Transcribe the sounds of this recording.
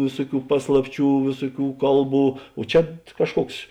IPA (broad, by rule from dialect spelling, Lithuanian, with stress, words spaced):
ˈʋʲeːsʊˌkʲuː ˈpɑːslˠɐpʲˌt͡ʃʲuː ˈʋʲeːsʊˌkʲuː ˈkɐlˠˌbuː oː ˈt͡ʃʲɛ ˈkɑːʃˌkuɔks